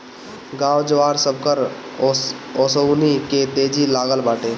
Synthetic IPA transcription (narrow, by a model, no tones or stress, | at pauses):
ɡãːwd͡ʒəwaːɾsəb̚ʱkəɾ | ɔːsəwniket̪eːd͡ʒilaːɡəlbaːʈeː